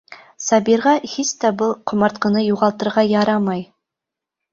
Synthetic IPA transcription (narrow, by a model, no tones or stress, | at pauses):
sɑbiɾʁɑhist̪æbɤlˠqʰŏmɑɾt̪̚qɤ̆nɤjuʁɑlˠt̪ɤ̆ɾʁɑjɑɾɑmɑj